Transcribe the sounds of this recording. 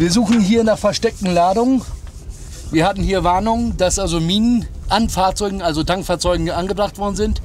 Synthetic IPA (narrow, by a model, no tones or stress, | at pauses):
viːɐzuːχn̩ɦiːɐnaːχfɛɐʃtɛk̚tn̩laːdʊŋə | viːɐhatn̩hiːɐvaɐnʊŋəd̥asʔalzomiːnənʔanfaːɐt͡sɔʏɡŋ̩ʔalzotʰaŋkfaːɐt͡sɔʏɡŋ̩ʔanɡəbʁaχtv̥ɔɐdn̩zɪnt